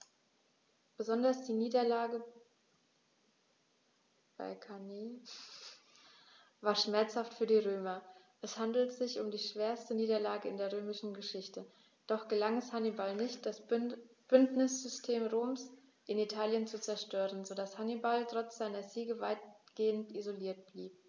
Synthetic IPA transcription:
b̥əzɔndɐsd̥iːniːdɐlaːɡə | b̥a̰ɪkʰaneː | vaːɐʃmɛɐt͡shaftfyːɐdiːʁøːmɐ | ʔɛshandl̩tz̥ɪçʊmdiːʃv̥eːɐstəniːdɐlaːɡəɪ̰ndeːɐʁøːmɪʃn̩ɡəʃɪçtə | d̥ɔχɡ̥əlaŋɛshanibalnɪçt̚d̥asb̥ʏntnɪsz̥ʏstʰeːmʁoːms | ʔɪnitʰaːljənt͡sut͡sɛɐʃtøːʁənzodashanibaltʁ̥ɔt͡sz̥aɪnɐziːɡəvaɪt̚ɡ̥eːəntizoliːɐt̚b̥liːp̚

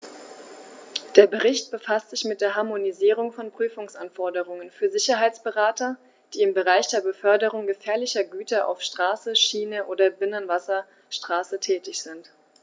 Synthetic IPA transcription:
d̥eːɐbəʁɪçt̚b̥əfastz̥ɪçmɪt̚d̥eːɐɦaɐmoniziːʁ̞ʊŋfɔnpʁ̥yːfʊŋsʔanfɔɐdəʁ̞ʊŋənfyːɐzɪçɐɦaɪt͡sb̥əʁaːtɐ | d̥iːɪmbəʁaɪçd̥eːɐbəfœɐdəʁ̞ʊŋɡəfɛːɐlɪçɐɡyːtɐʔa̰ʊfʃtʁ̥aːsəʃiːnəʔoːdɐbɪnənvasɐ | ʃtʁ̥aːsətʰɛːtɪçz̥ɪnt

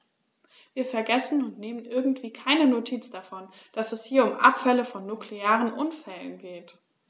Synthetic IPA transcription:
viːɐfɛɐɡɛsn̩ʊntneːmənʔɪɐɡŋ̩tv̥iːkʰaɪnənotʰiːt͡sd̥afɔnd̥asɛshiːɐʊmʔa̰pfɛləfɔnːukleaːʁənʔʊnfɛlə̰nɡeːt

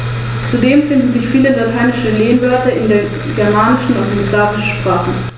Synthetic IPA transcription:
t͡sudeːmfɪndn̩zɪçfiːləlatʰaɪnɪʃəleːənvœɐtɐɪndeːɐ | ɡ̥ɛɐmaːnɪʃn̩ʊtdmɪslaːvɪʃ̩pʁ̥aːχə

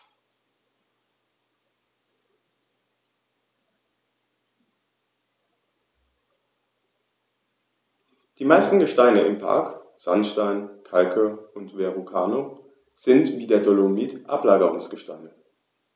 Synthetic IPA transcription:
d̥iːmaɪstn̩ɡəʃtaɪnəʔɪmpʰa̰ɐk | z̥anʃtaɪnkʰalkʰəʊntv̥eʁukʰa̰ːno | z̥ɪntv̥iːdeːɐdʰolomiːtʔa̰plaːɡəʁʊŋsɡ̥əʃta̰ɪnə

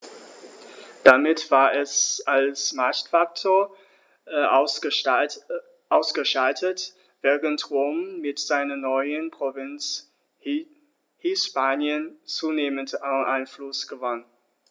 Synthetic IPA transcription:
d̥amɪtv̥aːɐʔɛsalsmaɐçtfak̚tʰoːɐ | ʔaʊsɡ̥əʃaltʰət | v̥ɛːʁəntʁoːmːɪtz̥aɪnɐnɔʏənpʁ̥ovɪnt͡s | hɪspaːnjənt͡suːneːməntaʔaɪnflʊsɡ̥əvan

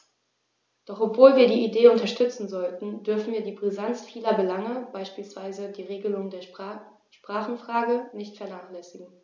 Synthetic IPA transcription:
d̥ɔχʔɔpv̥oːlviːɐdiːideːʊntɐʃtʏt͡sn̩zɔltn̩dʏɐfn̩viːɐdiːbʁizant͡sfiːlɐbəlaŋəbaɪʃpiːlsv̥aɪzədiːʁeːɡəlʊŋdeːɐ | ʃpʁ̥aːχn̩fʁ̥aːɡənɪçtfɛɐnaːχlɛsɪɡŋ̩

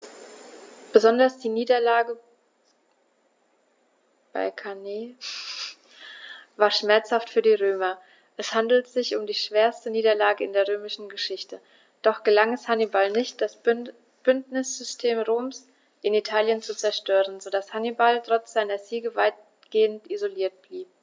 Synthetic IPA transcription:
b̥əzɔndɐsd̥iːniːdɐlaːɡə | b̥a̰ɪkʰaneː | vaːɐʃmɛɐt͡shaftfyːɐdiːʁøːmɐ | ʔɛshandl̩tz̥ɪçʊmdiːʃv̥eːɐstəniːdɐlaːɡəɪndeːɐʁøːmɪʃn̩ɡəʃɪçtə | d̥ɔχɡ̥əlaŋɛshanibalnɪçt̚d̥as | b̥ʏntnɪsz̥ʏstʰeːmʁoːms | ʔɪnitʰaːljənt͡sut͡sɛɐʃtøːʁənzodashanibaltʁ̥ɔt͡sz̥aɪnɐziːɡəvaɪt̚ | ɡ̥eːəntʔizoliːɐt̚b̥liːp̚

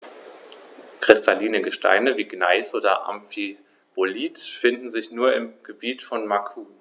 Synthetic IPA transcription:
kʁ̥ɪstʰaliːnəɡəʃtʰa̰ɪnəviːɡna̰ɪsʔoːdɐ̰ʔa̰mfi | b̥oliːtfɪndn̩zɪçnuːɐɪmɡ̥əbiːtfɔnmakʰuː

